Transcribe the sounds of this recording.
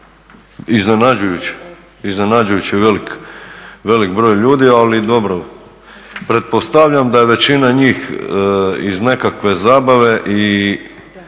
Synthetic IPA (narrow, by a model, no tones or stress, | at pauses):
izne̞nad͡ʒujut͡ɕi̥ | izne̞nad͡ʒujut͡ɕiʋelik | ʋe̞likbɾo̞ːjʎuːd̪ialid̪o̞bɾo | pɾe̞t̪̚po̞st̪aʋʎamd̪aje̞ʋe̞t͡ɕinaɲiːx | izne̞kakʋe̞zaːbaʋe̞ʔi